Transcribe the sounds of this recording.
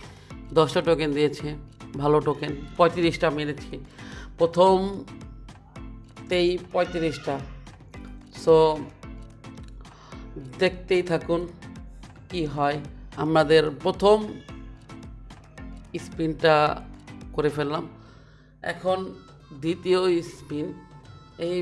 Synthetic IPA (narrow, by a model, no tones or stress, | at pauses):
d̪ɔsʈaʈokend̪ijet͡ɕʰebʱaloʈokenpɔjt̪iɾisʈamelet͡ɕʰepɾot̪ʰom | t̪ejpɔjt̪iɾisʈa | so | d̪ek̚ʰt̪ejt̪ʰakun | kiɦɔeamɾad̪eɾpɾot̪ʰom | ispinʈa | koɾefelːam | ɛ̰kʰon | d̪it̪ioispin | ej